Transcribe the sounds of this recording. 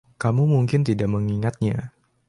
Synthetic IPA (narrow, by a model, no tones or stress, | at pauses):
kamumuŋkɪnt̪idaʔməŋiŋat̪̚ɲa